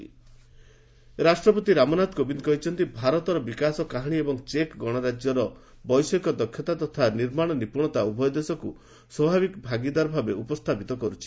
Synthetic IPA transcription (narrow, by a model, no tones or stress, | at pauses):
ɾasʈɾɔpɔt̪iɾamɔnad̪kobind̪kɔɦit͡ʃʰɔnt̪ibʱaɾɔt̪ɔɾɔbikasɔkaɦaɽ̃iebɔŋt͡ʃekɡɔɽ̃ɔɾad͡ʒjɔɾɔ | bɔjsɔikɔd̪ɔkʰjɔt̪at̪ɔt̪ʰaniɾmaɽ̃ɔnipuɽ̃ɔt̪aubɔjɔd̪esɔku | swɔbʱabikbʱaɡid̪aɾɔbʱabeupɔst̪ʰapit̪ɔkɔɾut͡ʃʰi̥